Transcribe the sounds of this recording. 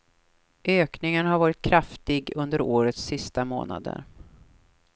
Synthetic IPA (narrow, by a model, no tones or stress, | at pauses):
ʔøːknɪŋənhaɾvɑːɾɪt̪̚kʰɾaft̪ɪɡɵnd̪əɾoːɾət̪sɪst̪amo̰ːna̰d̪ə̰ɾ